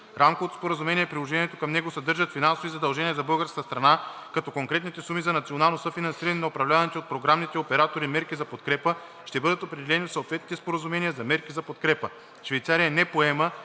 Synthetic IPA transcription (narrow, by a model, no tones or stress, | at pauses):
ɾamkoot̪spoɾəzumɛniɛpɾilˠoʒɛniɛt̪okɐmnɛɡosɐd̪ɤɾʒət̪finansovizɐd̪ɐlˠʒɛniɛzɐbɤlˠɡəɾskəst̪ɾɐna | kɐt̪ɔkoŋkɾɛt̪nit̪ɛsumizɐnɐt̪sionalˠnosəfinɐnsiɾɐnɛnɐopɾɐvlʲavɐnɛt̪iot̪̚pɾoɡɾamnit̪ɛopɛɾat̪oɾimɛɾkizɐpot̪kɾɛpə | ʃt̪ɛbɤd̪ət̪opɾɛd̪ɛlɛniot̪sot̪vɛt̪nit̪ɛspoɾəzumɛnijəzɐmɛɾkizɐpot̪kɾɛpə | ʃvɛjt̪saɾijɐnɛpoɛmə